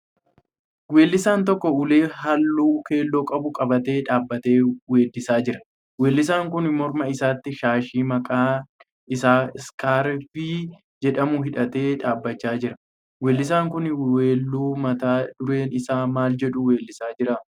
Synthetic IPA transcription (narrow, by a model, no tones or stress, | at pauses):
we̞ːlːɪsaːnt̪ɔkːɔʊleːhɐlːuːke̞ːlːoːkʼɐbʊkʼɐbɐt̪e̞ːᶑaːbːɐt̪eːweːd̪ːɪsaːd͡ʒɪɾɐ̥ | we̞ːlːɪs̬aːŋkʊnmɔɾmɐɪsaːt̪ːɪʃaːʃiːmɐkʼaː | ʔɪsaːskʰaːɾfɪ | d͡ʒɛᶑɐmʊɦɪᶑɐt̪e̞ːᶑaːbːɐt͡ʃːaːd͡ʒɪɾɐ | weːlːɪs̬aːŋkʊneːlːuːmɐt̪aːdʊɾe̞ːnɪsaːmaːld͡ʒɛᶑʊwe̞ːlːɪsaːd͡ʒɪɾa